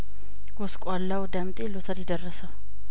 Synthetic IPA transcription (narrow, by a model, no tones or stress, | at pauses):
ɡ̥oskʼalːawd̪amt̪ʼelot̪ʰaɾjɪd̪ərːəsa